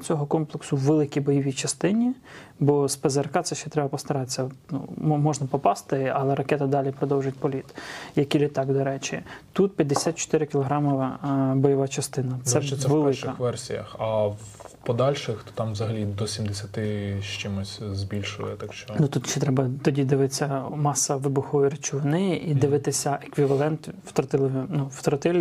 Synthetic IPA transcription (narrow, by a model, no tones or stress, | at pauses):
t͡sʲɔɦɔkɔmplˠeksʊwʋelˠɪkʲibɔjɔʋʲit͡ʃɐst̪ɪnʲibɔspezerkɑt̪sɛʃt͡ʃːɛt̪ɾɛbɐpɔst̪ɐɾɑt̪t͡sʲːɐnṵmmɔʒnɐpɔpɑst̪ɪɐlˠɛɾɐkɛt̪ɪd̪ɑlʲipɾɔd̪ɔwʒʊtʲpɔlʲit̪jɐkilʲɪt̪ɑkd̪ɔɾɛt͡ʃɪt̪ut̪̚pʲjɐd̪ːesʲat̪̚t͡ʃɔ̥t̪ɪɾɪkʲɪlˠɔɦɾɑmɔʋɐbɔjɔʋɑt͡ʃɐst̪ɪnɐt̪sɛʋelˠɪʃɪɐxʋɛrsʲijɐ̰xɐ | pɔd̪ɑlʲʃɪxt̪ɔ̥t̪ɑmʋzɐɦɐlʲid̪ɔsʲimd̪esʲɐt̪ɪʃt͡ʃɪmʊsʲzʲbʲilʲʃʊ̰jɛt̪ɑkʃt͡ʃɔnut̪ut̪ʃt͡ʃːɛt̪ɾɛbɐt̪ɔdʲid̪ɪʋɪt͡sʲːɐmɑsɐʋɪbʊxɔjiɾɪt͡ʃʊʋɪnɪjʔid̪ɪʋɪt̪ɪsʲɐʔekʋʲiʋɐlˠɛnt̪wt̪ɾɐt̪ɪlˠɪʋinuwt̪ɾɐt̪ɪlʲ